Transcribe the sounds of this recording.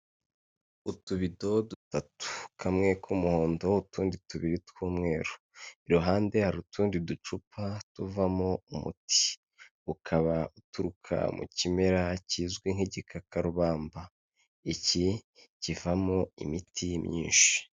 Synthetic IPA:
utuβido̞dutatu̥kʰamŋe̞kʰumuho̞ːndo̞utuːndituβiɾitkuːmŋe̞ːɾu̥ | iɾuɦaːnde̞haɾutʰuːndidut͡ʃupʰatuvamoumṵti̥ | ukʰaβautuɾukʰa̰mṵcime̞ɾaciːzɡwiŋ̥heɟekʰakaɾuβaːmba | icicivamoḭmitʰimɲḭːnʃi̥

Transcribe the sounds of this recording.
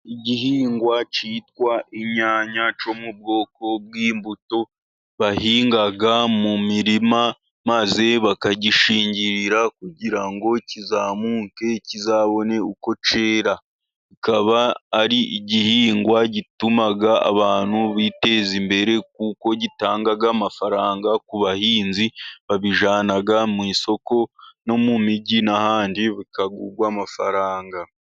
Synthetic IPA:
iɟiɦiːŋɡwat͡ʃiːtwaʔiɲaːɲat͡ʃo̞mub̚ɡo̞ːko̞b̚wiːmbuto̞ | βahiːŋɡaɡamumiɾima | maze̞βakaɟiʃiːɲɟiɾiɾakuɟiɾaŋɡo̞cizaːmuːke̞cizaːβo̞ne̞uko̞t͡ʃe̞ːɾa | ikaβaːɾiʔiɟihiːŋɡwaɟitumaɡaa̰βaːn̥huβite̞ːzimbe̞ɾe̞k̚uko̞ɟitaːŋɡaɡamafaɾaːŋɡakuβahiːnziβaβiʒaːnaɡamwiːso̞ko̞no̞mumiɟinahaːndiβikaɡuɡwaːmafaɾaːŋɡa

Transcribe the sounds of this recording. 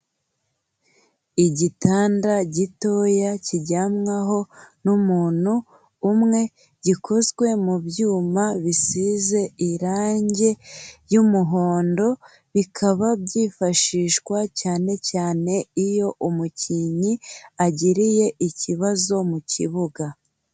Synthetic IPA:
iɟitaːndaɟito̞jaciɟamŋaɦo̞numuːn̥huː | mŋe̞ | ɟikʰo̞zɡwe̞mubjuːmaβisize̞iɾaːɲɟe̞jumuɦo̞ːndo̞ | βikʰaβabɟiːfaʃiːʃkwacaːne̞caːne̞ijo̞ʔumuciɲiaɟiɾije̞ʔiciβazo̞mucḭβuɡa

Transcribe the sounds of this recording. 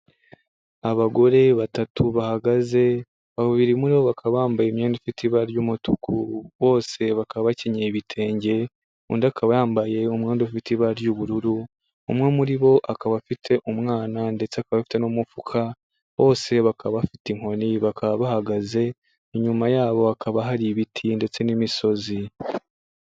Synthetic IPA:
aβaɡo̞ɾe̞βatatʰuβahaɡaze̞ | βaβuβiɾimuɾiβoβakʰaβaaːmbajemɲeːndofitiβaɾjumutukʰuβo̞ːse̞βakaβaβaceɲeβitʰe̞ːɲɟe̞ | ṵndakʰaβajaːmbaje̞umŋeːndofitiβaɾjuβuɾuɾuː | mŋe̞muɾiβo̞ʔakaβafitʰe̞ʔumŋaːnande̞t͡seakaβafi̥te̞nomufukʰa | βo̞ːse̞βakʰaββafitiŋ̥o̞niβakʰaβaβahaɡaze̞ | iɲumajaːβo̞akʰaβaɦaɾiβitʰinde̞t͡se̞nimiso̞zi

